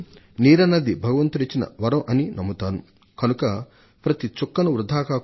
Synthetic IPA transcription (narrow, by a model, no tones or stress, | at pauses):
niːɾɐnɐd̪ibʱɐɡɐʋɐnt̪uɾit͡ʃːinɐ̰ʋɐɾɐ̃ʔɐninɐmːut̪aːnu | kɐnukɐ | pɾɐt̪it͡ʃukːɐnuɾud̪ʱaːkaː